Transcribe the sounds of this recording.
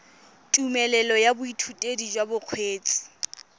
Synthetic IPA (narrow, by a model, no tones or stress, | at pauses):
tʼumɛlɛlɔjabʊitʰutʼedid͡ʒwabʊq͡χʰweːt͡sʼɪ̥